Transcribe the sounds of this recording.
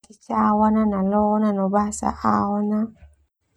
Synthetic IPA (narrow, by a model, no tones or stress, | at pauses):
kit͡ʃawananalɔnanɔbasa̰ʔawɔna